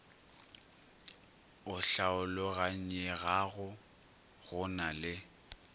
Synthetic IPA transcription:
ʊɬaʊlɔɣaɲ̩ɛɣaɣʊ | ɣʊnalɪ

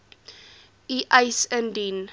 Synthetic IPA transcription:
iʔəjsəndin

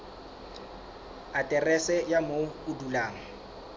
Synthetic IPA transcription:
atʼɛrɛsɛjamoʊdulaːŋ̩

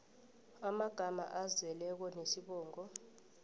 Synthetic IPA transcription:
amaɡ̥ʱama̰ʔazɛlɛk̬ɔnesiɓɔːŋɔ

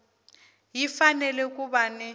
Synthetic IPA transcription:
jifanɛlɛk̬ʼuɓanɛ

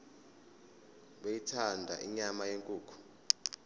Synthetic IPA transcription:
ɓejitʰandʱaʔiɲamajeŋkʼuːkʰu̥

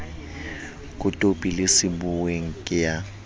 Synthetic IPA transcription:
kʼʊtʼopʼilesɪbʊweŋ̩kʼɪja

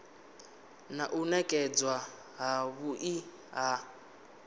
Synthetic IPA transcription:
naʔunɛkʼɛd͡zwa | ɦaβuʔi | ɦa

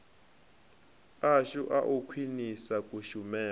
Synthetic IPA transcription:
aʃuʔa̰ʔukʰwinisakʼuʃumɛː

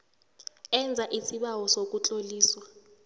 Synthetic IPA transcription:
ɛnd͡zʱaʔisiɓawɔsok̬ʼut͡ɬʼoliːswa

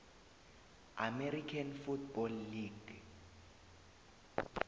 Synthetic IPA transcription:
ameɾikʰanfutbɔlːiɡ̥

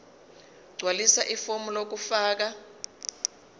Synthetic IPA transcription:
ɡ͡ǀʱwalisaʔifomulok̬ufaːk̬a

